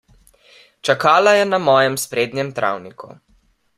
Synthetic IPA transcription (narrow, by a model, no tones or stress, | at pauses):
t͡ʃakaːlajɛnamɔːjɛmspɾeːd̪njɛmt̪ɾa̰wnikṵ